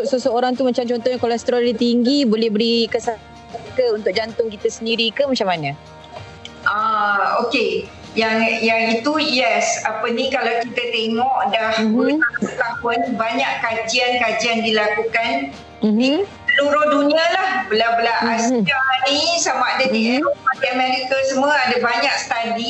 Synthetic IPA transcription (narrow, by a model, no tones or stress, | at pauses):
t̪ʔsəsəoɾaŋt̪umat͡ʃamt͡ʃɔnt̪ɔhɲakolɛst̪əɾolit̪iŋɡibolɛhbəɾikəsa | ankəunt̪ʊk̚ʔ̚d͡ʒant̪ʊŋkit̪asəndiɾikəmat͡ʃamana | ʔaoke | jaŋjaŋit̪ujɛsapənikalawkit̪ət̪eŋɔʔdahbulaʔsət̪apʊnbaɲaʔkad͡ʒiankad͡ʒiandilakukan | nisəluɾʊhdunialahbəlabəlaʔasanĩsamaʔdadiat̪iamɛɾikasəmuəadabaɲak̚sə̥t̪adi